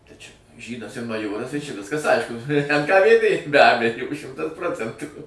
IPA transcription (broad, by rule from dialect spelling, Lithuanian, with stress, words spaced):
tɐɪ t͡ʃʲɛ ˈʒʲiːdɐs ɪr mɐˈjoːrɐs tɐɪ t͡ʃʲɛ ˈʋʲɪskɐs ˈɐɪʃkʊ ɛn kɐ ʋʲeːˈdʲeː bʲɛ ˈbʲæːjoː ˈʃʲɪmtɐs ˈproːt͡sʲɛntuː